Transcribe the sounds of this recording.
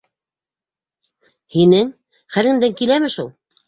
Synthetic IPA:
hinɘŋ | χæɾɘ̆nd̪æŋkilæmɘʃulˠ

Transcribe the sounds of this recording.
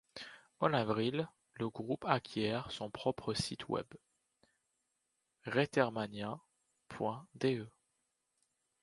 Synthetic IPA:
ɔ̃navʁil | ləɡʁupakʲʰjɛʁsɔ̃pχɔpχəsit̪ʰwɛ̰b | ʁet̪ɛʁmanjɛ̃ | pʰwɛ̃d̪eø

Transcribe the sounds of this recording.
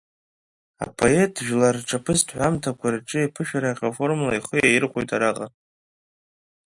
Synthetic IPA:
a̰pʰo̞etʰʒᶣlarʈ͡ʂʰʼapʰɨztʰʼħʷamtʰakʷʰarʈ͡ʂʼɨjapʰɨʃᶣaɾaχʲafo̞rmlaiχəjajɪrχʷojtʼʰaɾaqʼa

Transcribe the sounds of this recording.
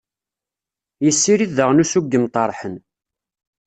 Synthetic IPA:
jəsːiɾiðəʁnusuɡːəmt̪ˤɑɾˤħən

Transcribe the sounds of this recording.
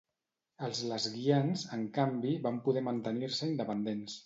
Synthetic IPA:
əlˠzləzɣianzəŋkambiβampuðɛmənt̪əniɾsəind̪əpənd̪ens

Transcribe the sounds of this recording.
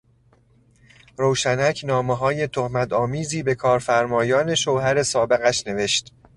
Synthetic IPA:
ɾoːwʃænæcʰnɒːmeɦɒːje̞t̪ʰohmæt̪ʰɒːmiːziːbe̞kʰɒːɾfæɾmɒːjɒːne̞ʃowhæɾe̞sɒːbe̞ɣæʃne̞ve̞ʃt̪

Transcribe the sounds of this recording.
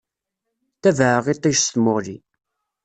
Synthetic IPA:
θævʕəʁit̪ˤːiʃsθmʊli

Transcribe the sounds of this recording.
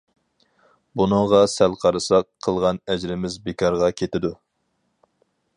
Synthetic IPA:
bunɨŋʁɑsælqʰɑɾɨsɑqʰːəlˠʁɑnɛd͡ʒɾɪmɪzbɪkʰɑɾʁɑkʲʰet̪ɪd̪u

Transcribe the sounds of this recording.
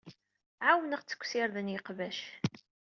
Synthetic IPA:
ʕawnəʁt͡sːə̥kʷːsɪɾðənjəqvæʃ

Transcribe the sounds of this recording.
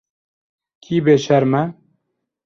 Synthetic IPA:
kʰiːbeːʃɛɾmɛ

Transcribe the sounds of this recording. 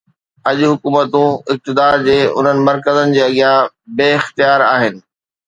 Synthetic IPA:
ɐʄʊɦʊkuːmət̪ũɪk̚t̪ɪd̪aːɾd͡ʑeːʊ̰n̤ənɪ̆mɐɾkəzənɪ̆d͡ʑeːɐɠjã | beːɪxt̪ijaːɾaːɦɪnɪ̆

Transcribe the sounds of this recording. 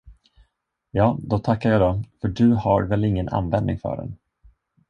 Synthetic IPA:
jɑːd̪ɔt̪ʰakːaɾjɑːd̪ɔfœɖɵhaɾvɛlɪŋːəna̰nvɛnd̪nɪ̰ŋfœ̰ːɖɛ̰n

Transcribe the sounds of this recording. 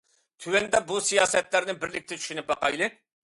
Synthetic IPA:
t̪ʰywɛnd̪ɛbusijɑːsɛt̪læɾnɪbɪɾlɪkʲt̪ʰɛt͡ʃ̪ʰy̥ʃynɪp̚bɑqɑjlˠɨ

